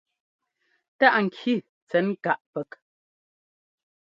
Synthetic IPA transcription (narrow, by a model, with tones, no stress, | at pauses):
ta˦ʔŋ̩˨kʰi˦˨ | t͡sɛ˨˦nka˦˨ʔpɛ˨k